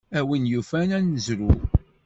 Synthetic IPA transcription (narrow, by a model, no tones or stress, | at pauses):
æwənjufænænəzɾu